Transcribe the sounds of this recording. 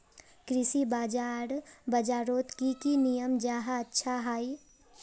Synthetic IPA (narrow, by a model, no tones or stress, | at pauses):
kɾɪsibaːd͡ʒaːɾbɐd͡ʒaːɾoːt̪kikinijəmd͡ʒaːɦaɐtːʃʰaɦaːi